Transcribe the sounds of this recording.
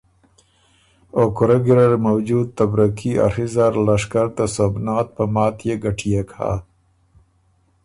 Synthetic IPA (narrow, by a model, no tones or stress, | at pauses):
oːkʊɾaɡiɾɐɾmawd͡ʒuːd̪̚t̪ɐbɾɐkʰia̰ɾizaɾlɐʂkəɾt̪asobnaːt̪̚pɐmaːt̪jeɡɐʈʰijekʰa̰ː